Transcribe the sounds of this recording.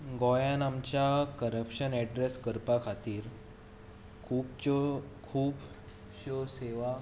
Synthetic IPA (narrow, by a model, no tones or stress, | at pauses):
ɡɔjanamt͡ɕjakəɾəpɕənɛɖɾeskəɾpakʰat̪iːɾ | kʰuːbt͡ɕkʰuːb | ɕoseʋa